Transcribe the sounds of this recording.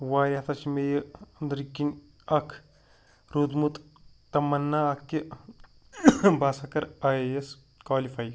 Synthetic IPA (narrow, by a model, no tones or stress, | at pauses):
waːɾʲɐt̪ʰɐt͡ʃimejɐnd̪ɾikin | ɐkʰ | ɾud̪mut̪ | t̪ɐmɐnːaɐkːi | baːsɐkɐɾaees | kaːlifʰaj